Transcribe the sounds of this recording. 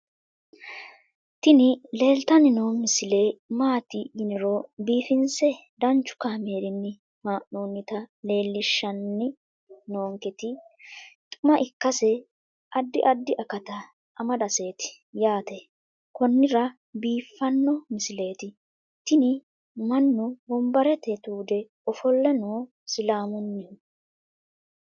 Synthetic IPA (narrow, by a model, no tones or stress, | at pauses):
t̪ɪnɪle̞ːlt̪ɐnɪnomɪsɪle̞ːmaːt̪ɪɡɪnɛɾobiːfɪnsɛ | d̪ɐnt͡ʃːʊ̥kaːme̞ːɾɪnːɪ | maːʔnoːnːɪt̪ɐle̞ːlːɪʃːɐnːɪ | noːŋkɛt̪ɪ | t̪ʼʊmɐʔɪkːɐsɛ | ʔɐd̪ːɪʔɐd̪ːɪʔɐkɐt̪ɐ | ʔɐmɐd̪ɐseːt̪ɪ̥ | jaːt̪ɛ | kɔnːɪɾɐ | biːfːɐnːɔmɪsɪle̞ːt̪ɪ | t̪ɪnɪ | mɐnːʊbɔmbɐɾɛt̪ɛt̪uːd̪ɛ | ɔfɔlːɛnoː | sɪlaːmʊnːɪʊ